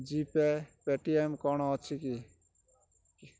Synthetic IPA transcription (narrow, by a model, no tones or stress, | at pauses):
d͡ʒipepeʈiemkɔɽ̃ɔːt͡ʃʰiki